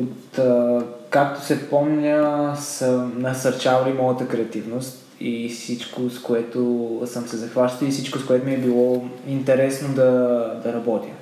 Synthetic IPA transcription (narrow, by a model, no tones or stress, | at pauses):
ot̪ | kakt̪o̥sɛpɔmnʲəsənɐsɐɾt͡ʃavɐlimɔjət̪əkɾɛɐt̪ivnost̪ | ifsit͡ʃkoskoɛt̪osəmsɛzɐxvaʃt̪ifsit͡ʃkoskoɛt̪omiɛbilˠɔint̪ɛɾɛsnod̪ɐd̪ɐɾɐbɔt̪ʲə